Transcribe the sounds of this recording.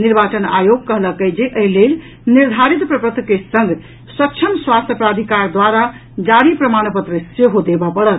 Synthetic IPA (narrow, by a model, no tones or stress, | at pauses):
niɾbat͡ʃəna̰joɡ̚kːəɦləkəd͡ʒeʔəɦilel | niɾd̪ʱaɾit̪pɾəpɾət̪kesə̃ŋɡ | sək̚t͡ʃʰəmswast̪jəpɾad̪ʱikaɾd̪waɾa | d͡ʒaɽipɾəmanpət̪ɾəseɦod̪ebapəɽət̪